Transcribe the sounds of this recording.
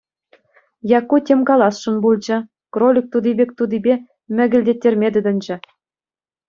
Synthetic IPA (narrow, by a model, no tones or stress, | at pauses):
jɑkːutʲemʲkɑlˠɑsʂunbulˠd͡ʑɘ̆ | krolʲik̚t̪ud̪ibʲek̚ʲt̪ud̪ibʲe | mʲɘ̆ɡʲɘ̆lʲdʲetʲːerʲmʲed̪ʲɘ̆d̪ɘ̆nʲd͡ʑɘ̆